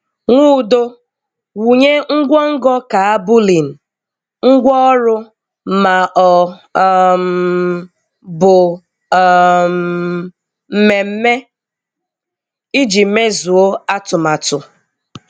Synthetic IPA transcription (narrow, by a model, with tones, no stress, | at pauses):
ŋʷu˦˨do˦ | wu˨ɲe˦ŋ̩˦ɡʷɔ˦ŋ̩˦ɡɔ˦ka˨a˦bʊ˦li˨n̩˨ | ŋ̩˦ɡʷɔ˦ɔ˦ɾʊ˦ | ma˨ʔɔ˨ | m | bʊ˨ | m | m̩˦me˨m̩˦me˦ | i˦d͡ʒi˨m̩˦me˦zu˨o˦a˦tʊ˨ma˨tʊ˨